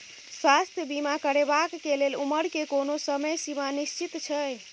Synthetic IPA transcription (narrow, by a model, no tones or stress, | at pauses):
swast̪ʰjəbimakəɾebakːeleluməɾkekonosəməjsimanist͡ʃit̪t͡ʃʰəj